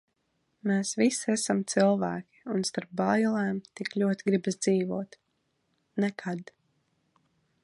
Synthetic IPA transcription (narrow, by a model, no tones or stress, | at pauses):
meːsvisiɛsamt̪silˠvæːkʲi̥unst̪aɾp̚bajlˠɛːmt̪iklʲuɔt̪iɡɾibasd̪ziːvuɔt̪ | nɛkʰad̪